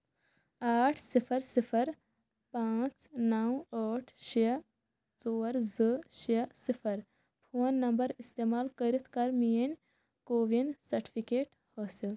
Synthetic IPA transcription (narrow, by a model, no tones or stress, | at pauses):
aːʈʰsipʰəɾsipʰəɾ | pãːt͡ʃnawəʈʰʃi | t͡soːɾzəʃiɐsipʰəɾ | pʰoːnːɐmbəɾist̪eːmaːlkəɾit̪ʰkɐɾmijənʲ | koːʋinsɐɾʈi̥pʰikeːʈ | hɔːsil